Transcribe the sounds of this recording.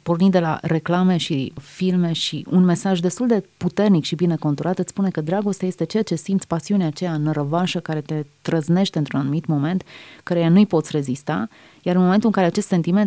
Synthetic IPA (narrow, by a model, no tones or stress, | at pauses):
po̞rnind̪e̞la̰ɾe̞klame̞ʃifilme̞ʃiʔunme̞saʒd̪e̞st̪uld̪e̞put̪e̞rnikʃibine̞ko̞nt̪uɾat̪ɨt̪spune̞kəd̪ɾaɡo̞st̪eaje̞st̪e̞t͡ʃeat͡ʃe̞simt̪sʲpasiuneat͡ʃe̞jaɨnrəvaʃəkaɾe̞t̪e̞t̪ɾəzne̞ʃt̪e̞ɨnt̪ɾunanumit̪mo̞me̞nt̪kəɾejanujpo̞t̪sʲre̞zist̪a | jaɾɨnmoment̪ulɨŋkaɾe̞at͡ʃe̞st̪se̞nt̪ime̞n